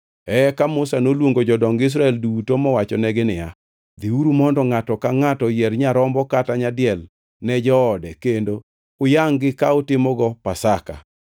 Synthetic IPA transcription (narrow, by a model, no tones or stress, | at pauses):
ɛkamʊsanolwoŋɡod͡ʒɔdɔŋɡɪs̬ɾaɛldutomɔwat͡ʃɔnɛɡɪnɪja̰ | d̪iuɾumɔndɔŋatɔkaŋatɔjɛrɲaɾɔmbɔkataɲadɪɛl | nɛd͡ʒɔːdɛkendo | ʊjaŋɡɪkaotɪmɔɡɔpasaka̰